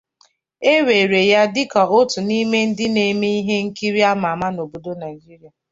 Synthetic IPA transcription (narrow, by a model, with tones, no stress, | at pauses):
e˦we˨ɾe˨ja˦dɪ˦kɔ˨o˦tʊ˨ni˦me˦n̩˦dɪ˦ne˨me˦i˦ɦe˦ŋ̩˦ki˦ɾi˦a˦m˨a˨ma˦no˨bo˨do˦na˨i˨d͡ʒi˦ɾi˨˦a˨